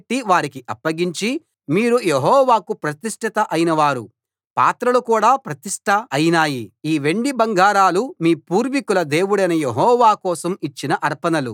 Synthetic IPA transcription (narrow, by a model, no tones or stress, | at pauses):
ʈːiʋaːɾikiʔɐpːɐɡiɲt͡ʃi | miːɾujeɦɔːʋaːkupɾɐt̪iʂʈʰit̪ɐʔɐjinɐʋaːɾṵ | pa̰ːt̪ɾɐlukuːɽaːpɾɐt̪iʂʈʰɐːjinaːjiiːʋe̞ɳɖibɐŋɡaːɾaːlumiːpuːɾʋikulɐd̪e̞ːwuɽɐjnɐjeɦɔːʋaːkɔːsɐmit͡ʃːinɐʔɐɾpɐnɐlṵ